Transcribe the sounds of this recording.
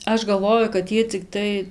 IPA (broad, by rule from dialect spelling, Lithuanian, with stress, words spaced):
ˈɐʃ ɡɐlˠˈʋoːjʊ kɐt ˈjiɛ t͡sʲɪˈktɐɪ